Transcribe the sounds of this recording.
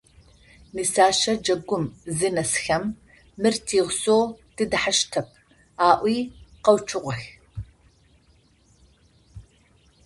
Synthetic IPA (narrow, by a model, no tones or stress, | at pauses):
nisaːʃɐd͡ʒɐɡʷʊmzɨnɐsxɐmː | ɨrtʰiːʁsoːd̥ɨdɨħaʃtʰɐp̚ʰ | aːʔʷiːqɐwt͡ʃʰɨʁʷʊx